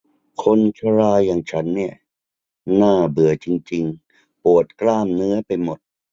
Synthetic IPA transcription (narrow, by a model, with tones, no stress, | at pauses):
kʰo˧nt͡ɕʰa˧ɾaː˧jːaː˨˩ŋt͡ɕʰa˦˥nːi˥˩ɐ | naː˥˩bɯ˨˩ət͡ɕi˧ŋt͡ɕi˧ŋ | pu˨˩ət̪̚klaː˥˩mnɯ˦˥ɐpa˧jmo˨˩t̪̚